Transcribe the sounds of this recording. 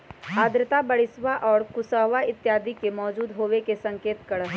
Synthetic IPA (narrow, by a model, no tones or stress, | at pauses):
aːd̪ɾɪt̪abɐɽɪsʋaʔɔːɾkʊsəːʋaɪt̪jaːd̪ikemɔːd͡ʒuːd̪ɦoːʋekesɐ̃ŋkeːt̪kɐɽəɦ